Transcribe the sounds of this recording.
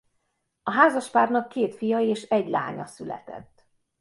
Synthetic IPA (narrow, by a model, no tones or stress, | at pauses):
ɒɦaːzɒʃpaːrnɒkːeːt̪fijɒeːʃɛɟla̰ːɲɒ̰sylɛ̰t̪ɛ̰t̪ː